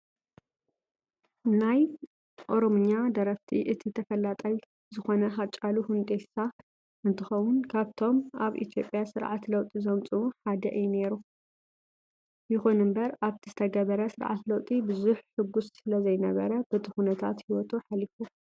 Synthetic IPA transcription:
naj | ʔo̞ɾomuɲːad̪ɐɾɐft̪ʰiʔɨt̪ʰit̪ʰɐfɐlat̪ʼɐj | zɨxo̞nɐɦat͡ʃʼaluhund̪ʼet̪sa | ɨnt̪ʰɨxɐwʊnkʰaβt̪ʰo̞mʔaβʔḭt̪ʰjo̞pʼjasɨɾʕa̰t̪lɐwt̪ʼizɐmt͡sʼuuħad̪ɐʔɨjune̞ɾu | jɪxunɨmbɐɾaβt̪ʰizɨt̪ʰɐɡɐβɐɾɐsɨɾʕa̰t̪lɐwt̪ʼibɨzuħħɨɡussɨlɐzɐjnɐβɐɾɐb̥ɨt̪ʰɨxunɐt̪ʰa̰t̪hiwɔt̪ʰoħalifu

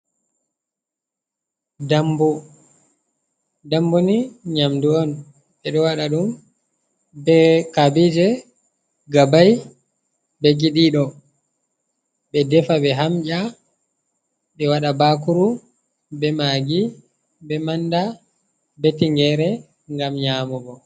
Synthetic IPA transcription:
dambɔ | damboniɲamduɔn | ɓɛɗɔwaɗaɗum | bɛkabid͡ʒɛ | ɡabaj | bɛɡiɗiɗɔ | bɛdɛfabɛɦamʔa | ɓɛwaɗabakuɾu | bɛmaɡi | bɛmanda | bɛtiŋɡɛɾɛ | ŋɡamɲamɔbɔ

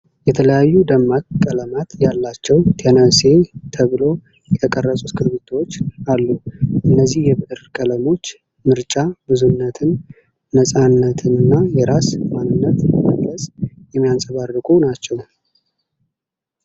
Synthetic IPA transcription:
jɛt̪ʰələjajːud̪əmːakkʼːələmat̪jalːat͡ʃːɛwt̪ʰenəse̞t̪ʰəβɨlo̞ | jɛt̪ʰəkʼərːəsʼuskʰɨɾβit̪ʰot͡ʃːalːuʔɨnːəzːihjɛβɨʔɨɾkʼələmo̞t͡ʃː | mɨɾt͡ʃʼabɨzunːət̪ʰɨnː | əsʼanːət̪ʰɨnɨnːajɛɾasmanːɨnːət̪əmə̰ɡ̪ləsʼjɛmːijansʼəβarːɨkʼunat͡ʃːɛw

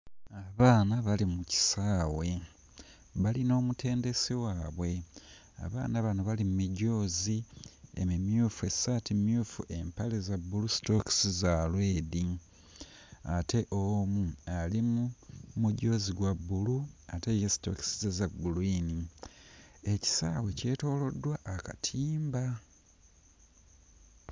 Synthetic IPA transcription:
aβaːnaβalimuci̥saːwe̞ | βalino̞ːmutʰe̞ːnde̞siwaːβwe̞ | a̰βa̰ːnaβanuβalimumiɟo̞ːziḛmimjufe̞satimjufṵʔe̞mpalezabːulusi̥to̞ki̥sizalweːdi | atʰe̞ʔomualimumuɟo̞ːziɡwabːuluate̞jesi̥to̞̰ksizezaɡuluini | eci̥saːwe̞ce̞ːto̞ːlo̞dːwaʔːkatʰiːmba

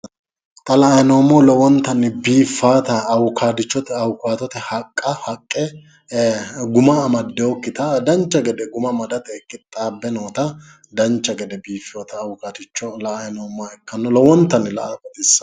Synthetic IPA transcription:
t̪ʼɐlɐjnoːmːɔlɔwɔnt̪ːɐnːɪbiːfːaːt̪ɐːwʊkaːd̪ɪt͡ʃːɔt̪ɛɐwʊkaːt̪ɔt̪ɛhɐkʼːɐhɐkʼːɛ | ɡʊmɐmɐd̪ːɛɔkːɪt̪ɐd̪ɐnt͡ʃːɐɡɛd̪ɛɡʊmɐmɐd̪ɐt̪ɛkːɪt̪ʼːaːbːɛnoːt̪ɐ | d̪ɐnt͡ʃːɐɡɛd̪ɛbiːfɪjoːt̪ɐːwʊkaːt̪ɪt͡ʃːɔlɐʔajnoːmːaɛkːɐnːɔlɔwɔnt̪ːɐnːɪlɐ̰ʔakɐt̪ɪsːɐ̥

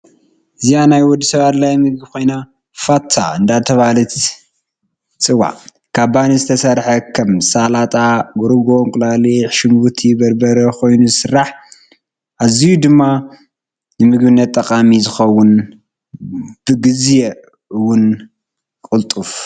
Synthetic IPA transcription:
ʔɨzijanajwɔd̪ːisɐβat̪lajmɨɡ̚bikʰo̞jna | fat̪ʰːa̰ɨnd̪at̪ʰɐβalɨt̪ | t͡sʼɨwa̰ | kʰaβbanizɨt̪ʰɐsɐɾħɐkʰɐmsalat̪ʼaɡuɾɨɡo̞ŋkʼlaliħʃɨmbut̪ʰibɐɾbɐɾɐkʰo̞jnuzɨsɨrːaħ | ʔazijud̪ɨmːa | nɨmɨɡbɨnːɐt̪ʼːɐkʼamizɨxɐwʊn | b̥ɨɡɨzje | ɨwʊn | kʼɨlt̪ʼuf

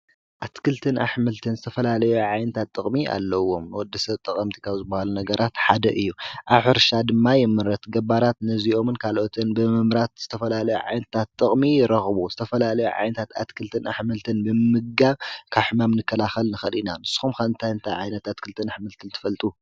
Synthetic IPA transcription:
ʔat̪kʰɨlt̪ʰɨnʔa̰ħmɨlt̪ʰɨnzɨt̪ʰɐfɐlalɐjuʕajnɐt̪ʰat̪ʼːɨχʼmia̰lːɐwːo̞mwɔd̪ːɐsɐβt̪ʼɐkʼɐmt̪ʰi̥kʰaβzɨbːɐhalunɐɡɐɾʔat̪ħad̪ɐʔɨjːuʔaβħɨɾʃad̪ɨmːajɛmɨɾɐt̪ɡɐbaɾat̪nɐziʔo̞mɨnkʰalʔo̞t̪ʰɨnbɨmɨmɾat̪z̥ɨt̪ʰɐfɐlalɐjuʕa̰jnɐt̪ʰat̪ʼːɨχʼmijɪɾɐxbuzɨt̪ʰɐfɐlalɐjuʕa̰jnɐt̪ʰat̪at̪kʰɨlt̪ʰɨna̰ħmɨlt̪ʰɨnbɨmɨɡɡaβkʰaβħɨmamnɨkʰːɐlaxɐlnɨxɐlinanɨsːu̥xumxɐɨnt̪ʰajɨnt̪ʰajʕajnɐt̪at̪kʰɨlt̪ʰɨnaħmɨlt̪ʰɨnt̪ʰɨ̥fɐlt̪ʼu

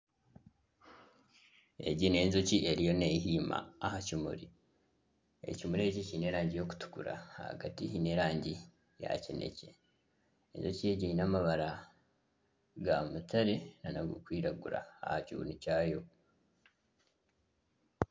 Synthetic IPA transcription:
e̞̰ɟine̞ːnzociʔe̞ɾijo̞neɦiːma̰ːhacimṵɾi | e̞̰cimuɾeɟicine̞ːɾaːɲɟijo̞ku̥tu̥kuɾa̰hha̰ɡatihine̞ɾaːɲɟi | ja̰cene̞̰ce | enzocieɟijinamaβaɾa | ɡamutaɾenanaɡo̰kwiːɾaɡuɾa̰ːhaciβṵnicaːjo̞

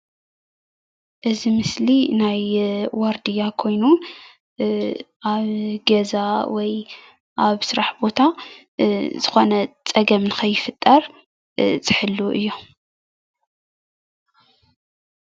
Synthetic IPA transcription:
ʔɨzimɨslinajwaɾd̪ijakʰo̞jnu | ʔaβɡɐzawɔj | ʔaβsɨɾaħbo̞t̪ʰa | z̥ɨxo̞nɐt͡sʼɐɡɐmnɨxʰɐjːɪfɨt̪ʼːɐɾ | t͡sʼɨħɨlːuʔɨ̰jːu

